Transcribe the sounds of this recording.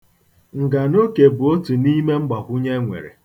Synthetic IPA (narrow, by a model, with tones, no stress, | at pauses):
ŋ̩˨ɡa˨no˦ke˨bʊ˨o˦tu˨ni˦me˦ŋ͡m̩˦ɡ͡ba˨kʷu˦ɲe˦ŋʷḛ˨ɾḛ˨